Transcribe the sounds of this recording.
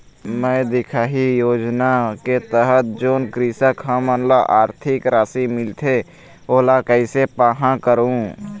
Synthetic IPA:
mə̃ːd̪ɪkʰaːɦijoːd͡ʒnaket̪əɦət̪̚d͡ʒoːnkɾisəkə̃mənlaʔaːɾt̪ʰɪkɾaːsimɪlt̪ʰe | oːlakəɪsepaːɦãkəɾũ

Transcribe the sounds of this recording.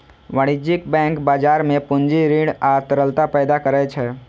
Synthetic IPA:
ʋəɽ̃id͡ʒɪkbɛ̃ːŋkbaːd͡ʒaːɾmẽpʊnd͡ʒiɾiːɽaːt̪əɾəlt̪apɛːd̪akəɾɛt͡ʃʰɛ

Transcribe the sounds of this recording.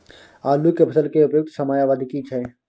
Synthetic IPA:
aːlukepʰɐsəlkeʊpjoːk̚t̪sɐmaːjaʋad̪ʱkit͡ʃʰɛ

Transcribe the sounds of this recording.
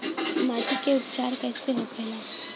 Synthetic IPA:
maːtikeʊpt͡ʃaːɾkɛːseɦõkʰeleː

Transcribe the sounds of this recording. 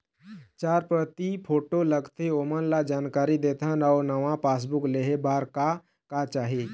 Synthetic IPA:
t͡ʃaːɾpɾət̪ipʰoːʈoləɡt̪ʰeomənlad͡ʒaːnkaːɾid̪eːt̪ʰənaʊɾnəʋãpaːs̬bukleɦebaːɾka | kat͡ʃaːɦe

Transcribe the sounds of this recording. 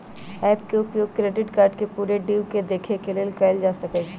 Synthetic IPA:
ɛːp̚keːɡpjeoʊkɾeːɖɪʈkaːɾɖkepuːɾeɖiːʋked̪eːkʰekelielkaːɪld͡ʒaːsɐked͡ʒ

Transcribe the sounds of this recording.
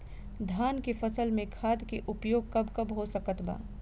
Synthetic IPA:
d̪ʱaːnkefɐsəlmẽkʰaːd̪keʔʊpjoːɡ̚kɐbkɐbɦosɐkət̪ba̰ː

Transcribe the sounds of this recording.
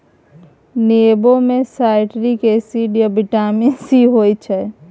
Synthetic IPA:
nebomẽsaɪʈɾikesiɖəbiʈaminsiɦojt͡ʃʰɛ

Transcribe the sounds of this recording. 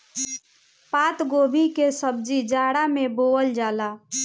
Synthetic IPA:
pat̪ɡoːbʱikesəb̚d͡ʒid͡ʒaɽameboəld͡ʒaːla

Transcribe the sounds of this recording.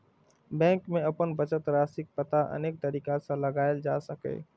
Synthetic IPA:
bɛ̃ːŋkmẽɐpənbət͡ʃət̪ɾaːsɪk̚pət̪aʔɐ̰neːk̚t̪ɐɾiːkasãlɐɡaːjld͡ʒaːsəkḛː

